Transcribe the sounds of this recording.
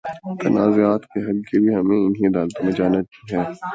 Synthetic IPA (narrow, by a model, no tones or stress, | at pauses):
t̪ɐnaːzoaːt̪keɦɐlkelieɦɐmẽɪnɦĩɐd̪aːlt̪õmẽd͡ʒaːnaiɦɛː